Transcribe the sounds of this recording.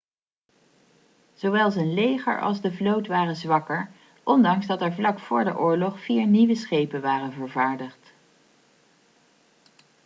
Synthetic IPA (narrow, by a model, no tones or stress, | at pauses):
z̥owʋɛlˠzənlejχə̰ɹɑ̰lˠzdəvlowtʋaːrənzʋɑkəɹ | ʔɔndɑŋzdɑtɛɹvlɑkfʊːɹdə̰ʔʊːɹlɔχfiːɹniʋəsχejpənʋaːrənvəɹvaːɹdəχt